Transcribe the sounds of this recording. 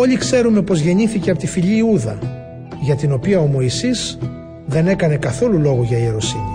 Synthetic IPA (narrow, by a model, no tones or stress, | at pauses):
o̞ʎikse̞ɾume̞po̞zʝe̞ɲiθiceɐpot̪ifiʎiːuðɐ | ʝɐt̪ino̞piɐo̞mo̞isiz̥ | ðe̞ne̞kɐne̞kɐθo̞lulo̞ɣoʝɐieɾo̞sini